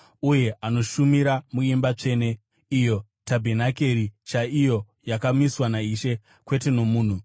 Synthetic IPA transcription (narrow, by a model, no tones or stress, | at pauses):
uje̞ʔano̞ʃumiɾamuimbat͡ʂe̞ːne̞ | ijo̞ | tabʱenake̞ɾit͡ʃaijo̞ | jakamiswanaiʃe̞ | kwe̞te̞no̞muːn̤u